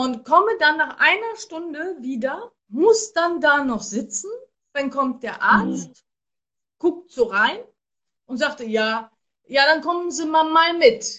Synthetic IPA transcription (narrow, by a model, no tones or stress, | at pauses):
ʊntkʰɔmədanːaːχʔa̰ɪnɐʃtʊndəviːdɐ | mʊsd̥andaːnɔχz̥ɪt͡sn̩ | d̥ankʰɔmt̚d̥eːɐʔaɐt͡st | ɡ̥ʊk̚tz̥oːʁaɪn | ʔʊntz̥aːktəjaː | jaːɾankʰɔmənziːmaːlmaːlmɪt